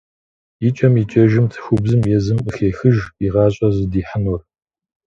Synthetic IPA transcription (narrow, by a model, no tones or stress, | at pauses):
it͡ʃʼɐmit͡ʃʼɐʒɪmtʰxʷʊbzɨmjɛzɨməxeːxɨʒiʁɑːɕʼɐzɨdiːħənur